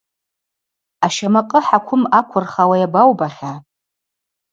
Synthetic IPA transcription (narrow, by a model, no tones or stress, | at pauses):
aʃamaqʼəħakʷʰʊmakʷʰʊrχawajabawbaχʲa